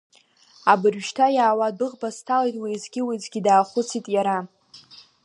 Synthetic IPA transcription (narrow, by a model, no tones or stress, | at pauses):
abɨrʃtʰajaːwadʊʁbastʰalejtʼwizɡʲɪwizɡʲidaːχʷʊt͡sʰitʼjaɾa